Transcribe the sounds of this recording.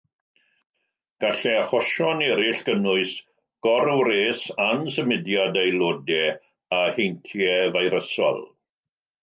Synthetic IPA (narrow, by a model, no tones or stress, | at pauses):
ɡ̥aɬɛaχɔʃɔnɛɾɪɬɡ̥ənʊɨs | ɡ̥ɔɾwɾeːsansəmɪdjadejlˠoːdɛ | ahejntʰjɛvajɾəsɔ̰lˠ